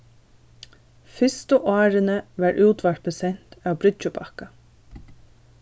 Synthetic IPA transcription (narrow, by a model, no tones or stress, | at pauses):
fɪst̪əʔɑːɾənəʋæɾʔʉːt̪ʋɑɾt̪̚bəsɛn̥t̪æwbɾʏt͡ʃəpʰɑka